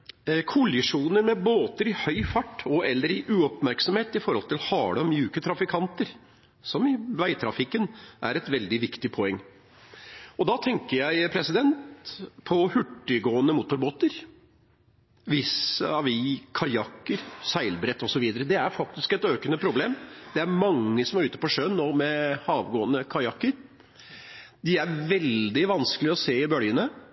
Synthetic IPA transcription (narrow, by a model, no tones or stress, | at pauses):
kʰʊlɪʂuːnəɾmɛboːt̪əɾɪhœʏfɑʈːɔɛlːəɾɪʔʉːɔpmæɾksɔmheːt̪ɪfɔɾhɔlt̪ɪlhɑːɽɔmjʉːkət̪ʰɾɑfɪkʰɑnt̪əɾ | sɔmɪʋæɪt̪ʰɾɑfɪkːənʔæɾɛt̪ʋɛld̪ɪʋɪkt̪ɪpʰɔɛŋː | ɔd̪ɑt̪ʰɛŋkəɾjæɪpʰɾɛsɪd̪ɛnt̪pʰɔhʉʈːəɡoːənəmʊt̪ʊɾboːt̪əɾ | ʋɪsəɑʋɪkʰɑjɑkːəɾsæɪlbɾɛt̪ːɔsɔʋiːd̪əɾəd̪ɛæɾfɑk̚t̪ɪskɛt̪øːkənəpʰɾʊbleːmd̪̥ɛæɾmɑŋːəsɔmæɾʉːt̪ə̥pɔʂønːoːmɛhɑːʋɡoːənəkʰɑjɑkːəɾ | d̪ɪæɾʋɛld̪ɪʋɑnskəlɪɔseːɪbœljənə